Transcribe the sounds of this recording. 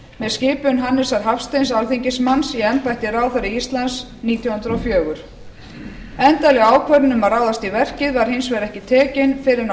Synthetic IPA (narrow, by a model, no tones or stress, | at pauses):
mɛðscɪːpʏnɦanːɪsaɾ̥ɦafst̪ejns̬alθiɲcɪsmansiɛmpajht̪ɪraːwθœɾɪist̪lans | niːt̪jɔhʏnd̪ɾɔfjœːɣʏɾ̥ | ɛnt̪alɛɣaaːwkʰvœɾɪnʏmaɾraːwðast̪ivɛr̥cɪðvaɾ̥hɪnsvɛɾɛhcɪt̪ʰɛːcɪnfɪɾɪɾn